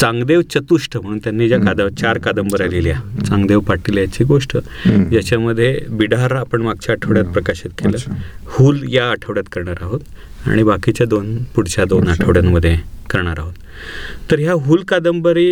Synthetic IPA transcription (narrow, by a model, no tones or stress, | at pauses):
t͡sãŋɡd̪eʋt͡ɕət̪uʂʈəm̤əɽ̃uːnt̪janːiːd͡ʑjakad̪əʋt͡ɕaɾkad̪əmbəɾaliliat͡saŋɡd̪eʋpaʈiljat͡ɕiːɡoʂʈəjat͡ɕaməd̪ʱːjebiɽaɾapəɳmaɡ̚t͡ɕaːʈʰəʋɽjat̪̚pɾəkaɕit̪keləhuːljaːʈʰəʋɽjat̪kəɾɳaɾaɦot̪ | a̰ɽ̃ibakit͡ɕjad̪onpuɽt͡ɕad̪onaʈʰəʋɽjanməd̪ʱːjekəɾɳaɾaɦot̪ː | əɾɦjaɦuːlkad̪əmbəɾi